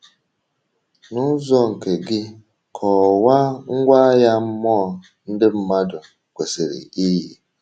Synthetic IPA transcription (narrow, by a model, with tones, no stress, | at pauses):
nʊ˦zɔ˦ŋ̩˨ke˨ɡɪ˦ | kʰɔ˨wa˦ŋ̩˦ɡʷa˦ja˦m̩˦mɔː˦˨ | n̩˦dɪ˦m̩˦ma˦dʊ˨ | kʷe˨se˨ɾḛ˨i˦ɦi˨